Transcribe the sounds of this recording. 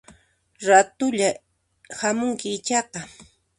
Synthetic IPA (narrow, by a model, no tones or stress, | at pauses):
ɾat̪ʊʎa | hamʊŋkɪːt͡ʃɑqɑ